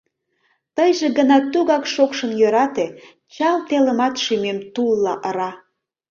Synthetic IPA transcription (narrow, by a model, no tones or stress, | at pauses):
t̪əjʒeɣənɑt̪uɣɑkʃokʃənjøɾɑt̪e | t͡ɕɑlt̪eləmɑt̪ʃymemt̪ulːɑʔəɾɑ